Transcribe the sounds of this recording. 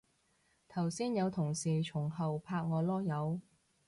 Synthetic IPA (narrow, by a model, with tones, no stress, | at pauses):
t̪ʰɐ˨˩wsiː˥njɐ˨˧wt̪ʰʊ˨˩ŋsiː˨˩t͡ʃʰʊ˨˩ŋɦɐ˨wpʰaː˧k̚ŋɔː˨˧lɔː˥jɐ˨˧w